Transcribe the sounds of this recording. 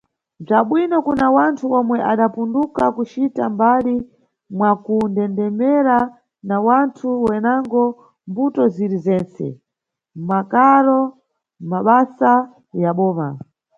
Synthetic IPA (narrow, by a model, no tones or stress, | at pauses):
b͡ʐaɓwinɔkunawantʰuɔmwɛʔaɗapundukakut͡ʃitambali | mwakundɛndɛmɛɾa | nawantʰuwɛnaŋɡɔ | mbutɔziɾizɛnt͡sɛ̰ | makaɾɔ | maɓasa | jaɓɔːma̰